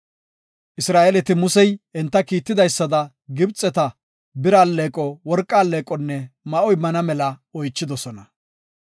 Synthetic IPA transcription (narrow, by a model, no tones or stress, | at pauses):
ʔɪsɾaːʔelɛt̪ɪmʊsɛjɛnt̪ːɐkiːt̪ːɪd̪ɐjsːɐd̪ɐ | ɡɪbt͡sʼːɛt̪ɐ | bɪɾaːlːeːkʼɔwɔɾkʼːaːlːeːkʼɔnːɛmɐʔɔjmɐnɐmɛlɐɔjt͡ʃːɪd̪ɔsɔnɐ